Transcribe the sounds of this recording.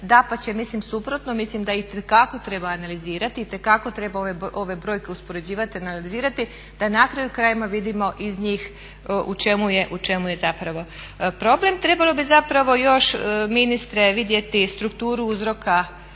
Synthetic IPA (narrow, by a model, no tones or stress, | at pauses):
d̪apat͡ɕe̞mislimsupɾo̞t̪no̞mislimd̪ait̪ekako̞t̪ɾe̞baːnaliziːɾat̪iːt̪e̞kako̞t̪ɾe̞baoʋeʔo̞ʋe̞bɾo̞ːjke̞uspo̞ɾe̞d͡ʑiːʋat̪ianalliziːɾat̪i | d̪̥anakɾajukɾaːjimaʋid̪imo̞ʔizɲiːx | ʔut͡ʃe̞muje̞ʔut͡ʃe̞muje̞zapɾaʋo̞ | pɾo̞ble̞mt̪ɾe̞balo̞bizapɾaʋo̞jo̞ʃminist̪ɾe̞ʋid̪je̞t̪ist̪ɾukt̪uːɾuuzɾo̞ka